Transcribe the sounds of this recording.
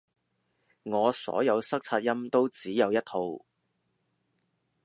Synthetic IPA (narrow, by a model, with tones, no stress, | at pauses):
ŋɔː˨˧sɔ̰ː˨˥jɐ˨˧wsɐ˥k̚t͡sʰaː˧t̚jɐ˥mt̪o˥wt͡siː˨˥jɐ˨˧wjɐ˥t̚hʰo˧w